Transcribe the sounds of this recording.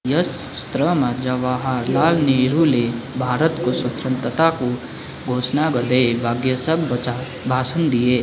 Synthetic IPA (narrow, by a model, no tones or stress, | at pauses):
jɐsːt̪ɾəməd͡ʒɐʋaːɦaɾlaːlniɾulebʱaːɾət̪koswɐt̪ɾə̃nt̪ət̪ako | ɡʱoːsnaɡəd̪ebʱaːɡjəsək̚ | bʱaːsənd̪ijeː